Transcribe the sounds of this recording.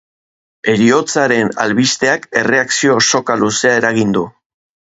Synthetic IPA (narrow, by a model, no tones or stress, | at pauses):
e̞ɾio̞t͡saɾe̞na̰lβist̪e̞ake̞re̞aksio̞so̞kaluse̞ae̞ɾaɣind̪u